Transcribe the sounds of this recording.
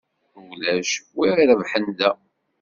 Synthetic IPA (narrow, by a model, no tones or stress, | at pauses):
wlæʃwiɾɾəvħənd̪æ